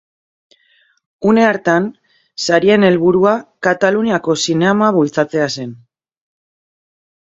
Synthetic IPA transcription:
une̞aɾt̪an | saɾie̞ne̞lβuɾuakat̪aluniako̞sineamaβult͡sat͡se̞ase̞n

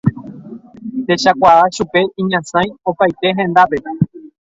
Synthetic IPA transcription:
t̪e̞ʃakʷaaʃupe̞ʔĩɲãsãj̃o̞pajt̪e̞ɦẽ̞nd̪ape̞pe

